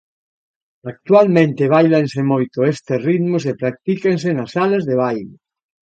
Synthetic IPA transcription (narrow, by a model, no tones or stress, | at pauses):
ak̚t̪walmẽnt̪eβ̞ajlansemojt̪oest̪eriðmos̬epɾak̚t̪ikensenasalazðeβ̞ajle